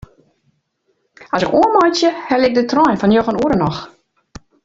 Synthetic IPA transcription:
ɔsɪkuəmɔjsjəhɛlɪk̚dətrɔjnfɔnjoxənuəɾənɔx

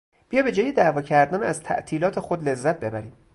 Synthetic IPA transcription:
b̥ijɒːbe̞d͡ʒɒːjed̪æːvɒːcʰæɾd̪ænæzt̪ʰæ̰ʔt̪ʰiːlɒːt̪ʰexod̪le̞zːæt̪̚be̞bæɾiːm

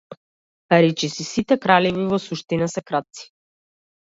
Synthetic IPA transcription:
paɾit͡ʃisisit̪ɛkɾalɛvivɔsuʃt̪inasɛkɾat̪̚si̥

